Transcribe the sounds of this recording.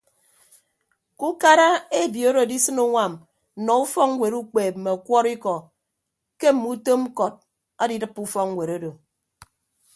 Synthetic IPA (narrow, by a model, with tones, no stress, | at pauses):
ku˦ka˦ɾa˦e˦˨bi˨o˦ɾo˨di˦sɨ˦no˦ŋʷa˨m̩˨ | nɔ˨u˦fɔ˦kŋ̩˦we˨ɾu˦k͡peː˨p̚m̩˨me˨kʷɔ˦ɾi˦kɔ˨ | ke˦m̩˨mu˦to˦m̩˦kɔ˨t̚ | a˦di˦dɨ˦pːu˦fɔ˦kŋ̩˦we˨ɾo˦do˨